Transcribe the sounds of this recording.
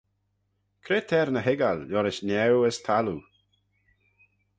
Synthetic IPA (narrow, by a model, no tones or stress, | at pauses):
kʰɾeːtʰɛɾnəɦɪɡalːɔɾɪʃnɛwəstʰalu